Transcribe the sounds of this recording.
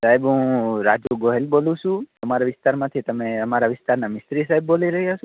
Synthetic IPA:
saibɦũɾad͡ʒuɡoɦelbolũʃũəmaɾaʋɪst̪aɾmãt̪ʰit̪əmeəmaɾaʋɪst̪aɾnamɪsɾisaibːoliɾəɦiəsũ

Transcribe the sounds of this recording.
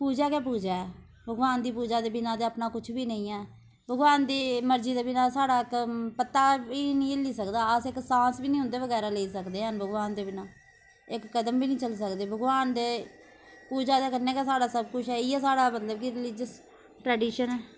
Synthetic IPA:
puːd͡ʒaːkaːpuːd͡ʒaːɛː | bʱəɡʋaːnd̪iːpuːd͡ʒaːd̪eːbɪnãːd̪eːəpnaːkʊt͡ʃʰbiːnə̃ĩːɛː | bʱəɡʋaːnd̪iːməɾd͡ʒiːd̪aːbɪnaːsaːɽaːkpət̪ːaːbiːnĩːliːsəkd̪aːəsɪksãːsbiːnĩːʊ̃nd̪eːʋəɡɛːɾaːleiːsəkd̪eːɦənbʱəɡʋaːnd̪eːbɪnaː | ɪkːəd̪əmbiːnĩːt͡ʃəls̬əkd̪eːbʱəɡʋaːnd̪eː | puːd͡ʒaːd̪eːkəneːkaːsaːɽaːsəbkʊt͡ʃʰɛːiːɛːsaːɽaːmət̪ləbkiɾɪlɪd͡ʒəs | ʈɾɛːɖiːʃənɛː

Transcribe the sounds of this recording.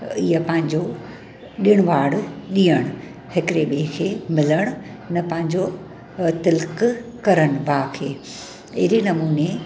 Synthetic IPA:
iːəpɐ̃ɦɪ̃ɲd͡ʑo | ɗiɽ̃ʊʋaːɽɗiːəɽ̃ | hɪkɾeɓeːkʰeːmɪləɽ̃ʊ | nɐpɐ̃ɦɪ̃ɲd͡ʑo | t̪ɪlk | kɐɾəɽ̃̆bʱaːkʰeː | ɪɦɾinɐmuːne

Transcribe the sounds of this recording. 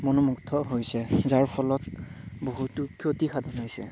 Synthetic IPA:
monɔmuktʰɔɦojsɛzaɹpʰɔlɔtboɦutukʰiotixʰadʱɔnajsɛ̰

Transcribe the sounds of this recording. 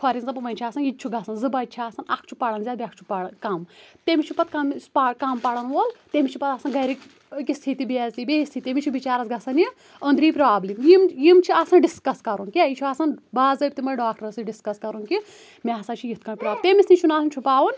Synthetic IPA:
kʰɐɾʲinzɐpɐʋɐnʲt͡ʃʰiaːsɐnjit̪̚ʲt͡ʃʰuɡɐsɐnzɨbɐt͡ʃʰiaːsɐnakʰt͡ʃʰu̥pɐɽɐnzʲaːbʲiɐkʰt͡ʃʰu̥paɽkɐmt̪emit͡ʃʰupɐt̪̚kɐmspakampɐɽɐnʋoːlt̪emit͡ʃʰipɐt̪aːsɐnɡɐjɾik | kist̪ʰit̪ibiezlʲibeist̪ʰit̪ːemʲit͡ʃʰubit͡ʃaːɾɐsɡɐsɐnji | ənd̪ɾiːpɾaːblimjimjimt͡ʃʰiasɐnɖiskɐskɐɾunkʲiajit͡ʃʰuaːsɐnbaːzɐb̚ʲt̪imɐjɖaːkʈɐɾɐsɨɖiskɐskɐɾunki | mʲeaːsaːt͡ʃʰijit̪̚kɐnʲpɾaːb̚t̪emʲisnit͡ʃʰunaːsɐnt͡ʃʰupaːʋɐn

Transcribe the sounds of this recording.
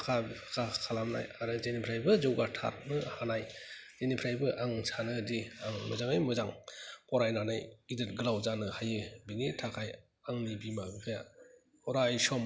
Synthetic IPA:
kʰakʰakʰalamna̰jaɾɯzenipʰɾajbɯzɔwɡatʰa̰t̚nɯhanajzenipʰɾajbɯʔaŋsanɯdiaŋmɯzaŋajmɯzaŋpɔɾajnanajidɯt̚ɡɯlawzanɯhajɯbinitʰakʰaj | aŋnibimakʰɯja̰ | pɔɾajsɔm

